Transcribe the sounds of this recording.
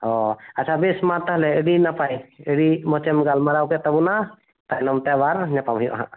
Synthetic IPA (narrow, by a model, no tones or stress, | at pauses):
ɔat͡ʃʰabɛsmaɾt̪aɦlɛəɽinapajəɽimɔt͡ʃɛmɡalmaɾawkɛt̪ɔbuna | t̪ajnɔmt̪ɛbaɾɲapamɦujɔ̰ʔaɦã̰ʔ